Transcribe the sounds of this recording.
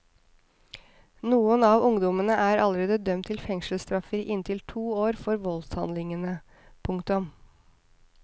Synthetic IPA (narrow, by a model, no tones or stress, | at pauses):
nuːənɑːʋʊŋd̪ɔmənəʔæːɾʔɑləɾeːd̪əd̪œmt̪ʰːɪlfɛŋʃəl̩st̪ɾɑfəɾʔɪnt̪ʰɪlt̪ʰuːoːɾfɔɾʋɔlshɑnd̪lɪŋənə | pʰʊŋkt̪ʊm